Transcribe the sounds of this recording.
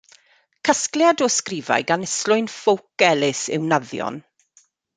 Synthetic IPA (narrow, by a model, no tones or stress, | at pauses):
kʰaskljadɔskriːva̰jɡanɛslʊɨnfowk̚ɛlɪsɪ̰wnaðjɔ̰n